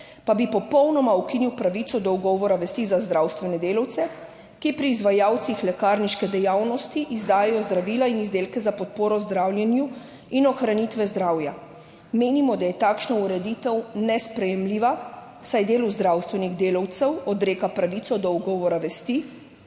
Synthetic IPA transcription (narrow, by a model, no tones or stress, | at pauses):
pabipɔpɔwnɔmaukiniwpɾaʋit̪sɔd̪ɔuɡɔːʋɔɾaʋɛst̪izazd̪ɾawst̪ʋɛnɛd̪eːlawt̪sɛ | kipɾiːzʋajaːwt̪sixlɛkaːɾniʃkɛd̪ɛjaːwnɔst̪iʔizd̪aːjɛjɔzd̪ɾaʋiːlainizd̪eːlkɛzapɔt̪̚poːɾɔzd̪ɾaːwljɛnju | inɔxɾanit̪ʋɛzd̪ɾaːwja | meːnimɔd̪ajɛt̪aːkʃnɔuɾɛd̪it̪ɛwnɛspɾɛjɛmliːʋa | sajd̪eːluzd̪ɾawst̪ʋɛniɣd̪eːlɔwt̪sɛwɔd̪ɾeːkapɾaʋiːt̪sɔd̪ɔuɡɔːʋɔɾaʋɛst̪i